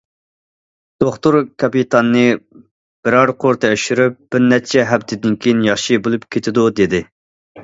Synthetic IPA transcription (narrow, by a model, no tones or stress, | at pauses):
d̪̥oχt̪uɾkʰɑpit̪ʰɑnːɨ | b̥ɪɾɑɾqʰoɾt̪ʰɨøʃyɾyp̚b̥ɪɾnɛt͡ʃʰɛɦɛbt̪ʰɪd̪ɪnkʲʰejinjɑχʃibolˠupkʲʰet̪ʰɪd̪ud̪ed̪ɪ